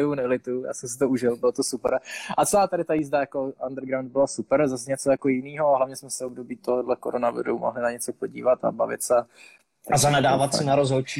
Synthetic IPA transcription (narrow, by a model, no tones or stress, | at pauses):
vunɛlɪt̪uja̰ːsɛms̬ɪt̪ouʒɪlbɪlot̪osupɛɾʔat͡sɛlaːt̪aɾɪt̪ajiːzdajakoandɾɡɾawnd̪̚bɪlasupɛɾzas̬ɛɲɛt͡sojako̞jɪniːɦoɦlavɲɛsmɛsɛobdo̞biːt̪oɦodlɛko̰ɾonavɪ̰ɾṵmo̰ɦlɪnaɲɛt͡sopo̞ɟḭːvat̪a̰bavɪ̰t̪sɛ | azanɛdaːvat̪sɪnaɾozɦolt͡ʃi